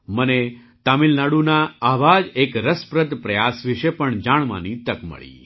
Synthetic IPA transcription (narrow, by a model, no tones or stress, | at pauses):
məne | t̪amilnaɽunaaʋad͡ʒekɾəspɾəd̪pɾəjasʋiʃepəɳd͡ʒaɳma̰nit̪əkmə̰ɭḭ